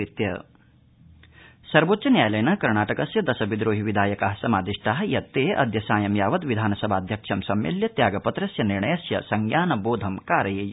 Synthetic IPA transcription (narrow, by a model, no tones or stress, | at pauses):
it̪jɐ̰ | sɐɾʋoːt̪ːt͡ʃɐnjaːjɐlɐjɐnɐkɐɾɳaːʈɐkɐsjɐd̪ɐsɐbid̪ɾoːɦiʋid̪ʱaːjɐkaːɦɐsɐmaːd̪iʂʈaːɦɐjɐt̪ːeːʔɐ̰d̪jɐsaːjɐmjaːʋɐt̪ʋid̪ʱaːnɐsɐbʱaːd̪ʱjɐkʂɐmsɐmjḭljɐt̪jaːɡɐpɐt̪ɾɐsjɐniɾɳɐjɐsjɐ̰sɐŋɡjaːnɐboːd̪ʱɐmkaːɾɐjej